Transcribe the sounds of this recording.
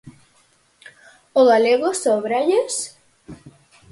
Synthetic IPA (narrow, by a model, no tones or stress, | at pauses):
oɣaleɣosoβɾaʎes